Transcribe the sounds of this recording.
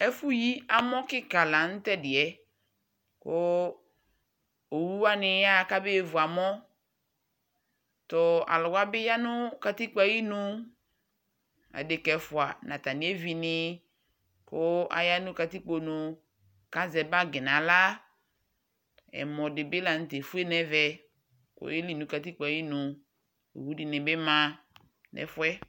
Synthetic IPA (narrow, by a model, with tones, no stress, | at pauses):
ɛ˦fʊ˦ji˦a˦mɔ̃˦kɪ˦ka˨la˨n̩˦tɛ˦dɪ˨ɛ˨ | kʊ˦ | o˨wu˦wa˦nɪ˨ja˦a˨ka˦bɪ˦˨vʊ˨a˨mɔ˦ | tɔ˨a̰˨lʊ˨ɡa˦bɪ˦ja˦nʊ˦ka˨ti˦k͡pa˨ji˦nʊ˦ | a̰˨dɪ˨kɛ˨fʊ˨a˨nã˨ta˨nĩ˦e˦vi˨nɪ˦ | kʊ˦a̰˨ja˦nʊ̃˦ka˨ti˦k͡po˨nʊ˨ | ka˦zɛ˨ba˦ɡɪ˨nã˨la˦ | ɛ̰˨mɔ˨dɪ˨bɪ˦la˨n̩˨te˨fu˦e˦nɛ˨vɛ˨ | kʊ̰˦je˦li˨nʊ̃˨˦ka˨ti˦k͡pa˨ji˦nʊ̃˨ | o̰˨wu˦di˨nɪ̃˨bɪ˦mã˦ | nɛ̰˨fʊ˦ɛ˦